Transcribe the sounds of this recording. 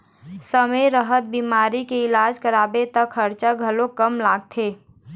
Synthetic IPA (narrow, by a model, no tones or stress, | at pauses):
səməjɾəɦət̪̚biːmaːɾikeɪlaːd͡ʒkəɾaːbet̪əkʰːəɾt͡ʃaɡʱəlõkəmlaːɡ̚t̪ʰeː